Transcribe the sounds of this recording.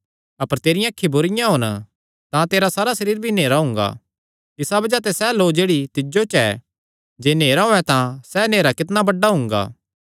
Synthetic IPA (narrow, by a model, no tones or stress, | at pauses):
ɐpəɾt̪eːɾɪjãːkʰːibʊɾɪjãɦʊn | t̪ãt̪eːɾasaːɾasɐɾiːɾbʱineːɾaɦʊ̃ŋɡa̰ː | ɪsabɐd͡ʒat̪ɛsɛloːd͡ʒeːɽit̪ɪd͡ʒot͡ʃɛ | d͡ʒeːneːɾaɦoːɛt̪ãsɛneːɾakɪt̪nabɐɖːaɦʊ̃ŋɡa̰ː